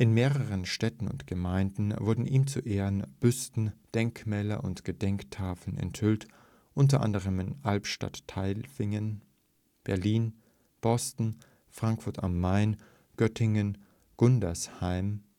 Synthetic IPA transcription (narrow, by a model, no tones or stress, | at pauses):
ʔɪnmeːʁəʁənʃtɛtn̩ʊ̰ntɡ̥əmaɪndn̩vʊɐdn̩ʔiːmt͡suʔeːʁənb̥ʏstn̩d̥ɛŋkmɛːlɐ̰ʔʊntɡ̥ədɛŋktʰaːfl̩nɛ̰nthʏlt | ʔʊnt̬ɐʔa̰ndəʁ̞əmɪnʔalpʃta̰tʰːaɪlfɪŋən | b̥ɛɐliːn | b̥ɔstn̩ | fʁ̥aŋkfʊɐtamːaɪn | ɡ̥œtʰɪŋən | ɡ̥ʊndɐshaɪm